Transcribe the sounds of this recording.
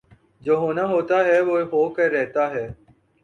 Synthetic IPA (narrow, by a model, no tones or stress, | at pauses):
d͡ʒoːɦoːnaːɦoːt̪aːɦɛːʋoːɦoːkəːɛːɦt̪aːɦɛː